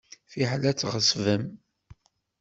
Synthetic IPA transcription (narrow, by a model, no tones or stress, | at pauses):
θiħlæt͡sːʁəsvəm